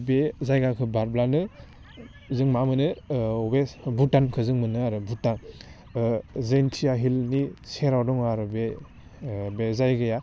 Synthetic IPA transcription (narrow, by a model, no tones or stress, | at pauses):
bezajɡakʰɯbaɾblanɯ | zɯŋmamɯnɯɔbebutankʰɯzɯŋmɯnɯaɾɯbutan | zejntʰijaɦilnit͡ʃʰeɾawdɔŋaɾɯbe | bezajɡɯja